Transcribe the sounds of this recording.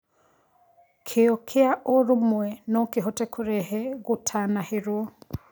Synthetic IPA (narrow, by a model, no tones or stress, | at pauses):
kʰeɔkʰeaʔoɾumwɛnɔkeɦɔtɛkʰoɾɛɦɛɣotʰanaheɾwɔ